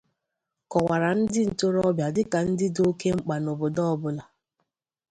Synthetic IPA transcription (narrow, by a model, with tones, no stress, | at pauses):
kɔ˨wa˨ɾa˨n̩˦dɪ˦n̩˨to˦ɾɔ˦bja˨dɪ˦ka˨n̩˦dɪ˦do˦ke˦ŋ͡m̩˦k͡pa˨no˨bʊ˨dɔ˦ɔ˦bʊ˦la˨